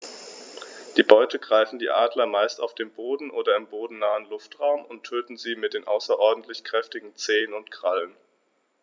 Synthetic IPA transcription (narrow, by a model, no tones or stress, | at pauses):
d̥iːbɔʏtəɡʁaɪfn̩diːʔaːdlɐmaɪsta̰ʊfd̥eːmboːdn̩ʔoːdɐɪmboːdn̩naːənlʊftʁ̥aʊmʊntʰøːtn̩ziːmɪt̚d̥eːnʔaʊsɐʔɔɐdn̩tʰlɪçkʁ̥ɛftɪɡŋ̩t͡seːənʊntkʁ̥alən